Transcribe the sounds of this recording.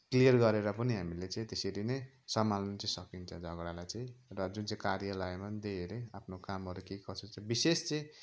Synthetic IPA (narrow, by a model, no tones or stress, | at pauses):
klijʌrɡʌɾeɾʌpʌniɦamilet͡sʌ̃ĩt̪eseɾine | sʌmalnʌt͡sʌĩsʌkint͡sʰʌ̃d͡zʱʌɡɾalajt͡sʌĩrʌd͡zunt͡saĩkarjʌlʌemand̪eeleapʰnokamɦʌɾukekʌt͡sʰot͡sʌ̃bisest͡sʌ̃j̃